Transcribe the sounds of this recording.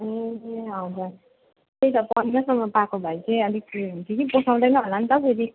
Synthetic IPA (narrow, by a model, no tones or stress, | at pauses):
eeɦʌd͡zur | t̪ejt̪ʌpʌndʌsʌmːʌpakobʱʌjt͡sʰeʌlikunt̪ʰikiposʰaw̃d̪ʌjnʌɦolant̪ʌpʰeɾi